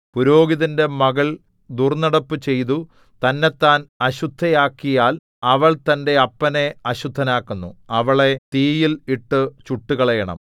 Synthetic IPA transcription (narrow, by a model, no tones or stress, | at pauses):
puɾo̞ːɡiðinde̞mɐɣɐɭ | d̪urnɐɽɐpːɨt͡ɕe̞jt̪u | t̪ɐnːe̞t̪ːaːnɐɕud̪ʱːɐjaːkːijaːl | ɐʋɐɭt̪ɐnde̞ɐpːɐne̞ɐɕud̪ʱːɐnaːkːunːṵɐʋɐɭe̞t̪iːjiliʈːɨt͡ɕuʈːuɣɐɭɐjɐɳɐ̰m